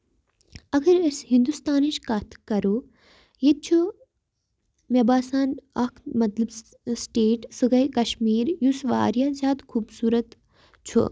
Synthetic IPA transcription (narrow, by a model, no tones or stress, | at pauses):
ɐɡɐɾeshind̪ust̪aːniʃkat̪ʰkɐɾoː | jet̪̚t͡ʃʰu | mʲɐbaːsaːnɐkʰmɐt̪lɐb | sʈeːʈsɨɡɐjkɐʃmiːɾjusʋa̰ːɾjaːzʲaːt̪kʰuːbsuːɾɐt̪ | t͡ʃʰṵ